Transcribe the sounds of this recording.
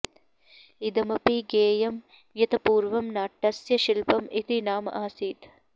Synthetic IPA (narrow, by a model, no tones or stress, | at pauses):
id̪ɐmɐpiɡeːjɐm | jɐt̪ɐpuːɾʋɐmnaːʈːɐsjɐʃilpɐmit̪inaːmʔaːsiːt̪